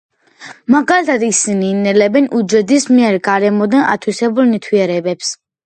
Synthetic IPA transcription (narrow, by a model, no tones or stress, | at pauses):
maɡalit̪ʰad̪isiniːnɛlɛbɛnʔud͡ʒɛd̪ismiɛɾɡaɾɛmɔd̪anʔa̰t̪ʰwisɛbulnit̪ʰwiɛɾɛbɛps